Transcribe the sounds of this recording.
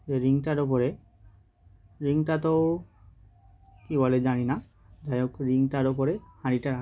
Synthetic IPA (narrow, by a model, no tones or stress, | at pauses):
eɾiŋʈaɾopoɾe | ɾiŋtat̪o | kiboled͡ʑanina | d̪ajokɾiŋʈaɾopoɾehaɽiʈaɾa